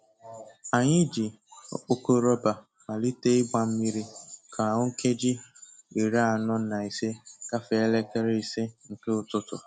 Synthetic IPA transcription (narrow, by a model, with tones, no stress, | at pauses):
a˨ɲɪ˦d͡ʒi˨ | ɔ̰˦k͡po˦ko˦ɾɔ˦ba˨ | ma˨li˦te˦ɪ˦ɡ͡ba˨m̩˦mi˦ɾi˦kʰa˨a˨ŋʊ˦ŋ̩˦ke˦d͡ʒɪ˦i˨ɾa˦a˦˨nɔ˦na˨i˨se˦ka˦fe˨e˦le˦ke˦ɾe˦i˨se˦ŋ̩˨ke˦ʊ˦tʊ˦tʊ̰˨